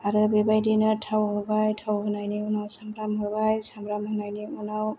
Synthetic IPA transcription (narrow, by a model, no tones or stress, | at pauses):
aɾɯbebajdinɯtʰawɦɔbajtʰawɦɯnajniɔnawsambɾamɦɔɹbajsambɾamhɯnajniɔnaw